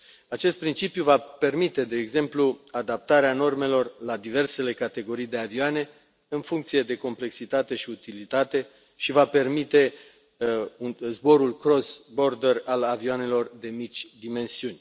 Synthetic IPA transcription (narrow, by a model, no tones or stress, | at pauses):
at͡ʃe̞st̪̚pɾint͡ʃipjuvape̞rmit̪e̞d̪e̞ːɡze̞mpluad̪ap̚t̪aɾeano̞rme̞lo̞rlad̪ive̞rse̞le̞kat̪e̞ɡo̞ɾijd̪e̞avioane̞ | ɨnfuŋkt̪sije̞d̪e̞ko̞mple̞ksit̪at̪e̞ʃiut̪ilit̪at̪e̞ | ʃivape̞rmit̪e̞ | unzbo̞ɾulkɾo̞sbo̞rd̪eralavioane̞lo̞rd̪e̞mit͡ʃʲd̪ime̞nsiunʲ